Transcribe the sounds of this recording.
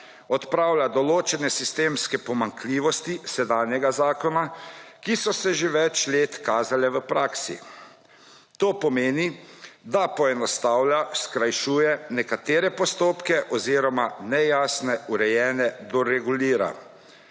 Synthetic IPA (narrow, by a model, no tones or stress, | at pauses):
ɔt̪pɾaːwlad̪ɔloːt͡ʃɛnɛsist̪eːmskɛpɔmaŋkliːʋɔst̪isɛd̪aːnjɛɡazaːkɔnakisɔsɛʒeʋɛt͡ʃleːt̪kaːzalɛʋəpɾaːksḭ | t̪oːpɔmeːnid̪apɔɛnɔst̪aːwlaskɾajʃuːjɛnɛkat̪eːɾɛpɔst̪oːpkɛʔɔziːɾɔmanɛjaːsnɛuɾɛjɛːnɛd̪ɔɾɛɡuliːɾa̰